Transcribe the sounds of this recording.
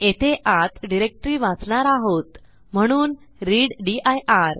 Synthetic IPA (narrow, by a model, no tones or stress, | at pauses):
et̪ʰeʔat̪ɖiɾek̚ʈɾiːʋat͡sɳaɾaɦot̪ | m̤əɽ̃uːn | ɾiɽɖiʔajʔaɾ